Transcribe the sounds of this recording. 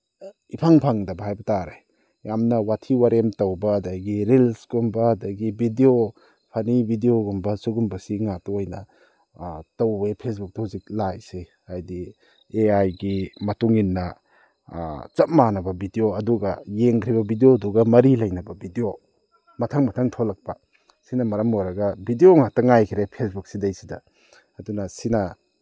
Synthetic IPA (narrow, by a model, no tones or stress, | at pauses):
ipʰaŋpʰaŋdɐbɐɦajbɐtaɾaj | jamnɐwatʰiwaɾemtɐwbɐːdɐɡiɾilsɡumbɐːdɐɡibʱideo | pʰɐnibidioɡumbɐsuɡumbɐsiŋatuojnɐ̰ | tɐwbepʰesbuk̚tɐhuzik̚lajsehajdi | eajɡimɐtuŋinːɐ | t͡ʃɐp̚manɐbɐbidioɐduɡɐ̰jeŋkɾibɐbidioduɡɐmɐɾilɐjnɐbɐbʱidio | mɐtʰaŋmɐtʰaŋtʰolɐk̚pɐ | sinɐmɐɾɐmːoɾɐɡɐbidioŋatɐŋajkʰiɾepʰesbuk̚sidɐjsidɐ̰ | ɐdunɐsinɐ